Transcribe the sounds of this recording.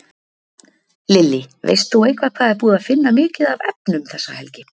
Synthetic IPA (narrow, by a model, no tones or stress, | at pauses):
lɪlːɪvḛjst̪θuejkʰvaðkʰvaːðɛɾpuːðaðfɪnːamɪːcɪðavɛpnʏmθɛsːahɛlcɪ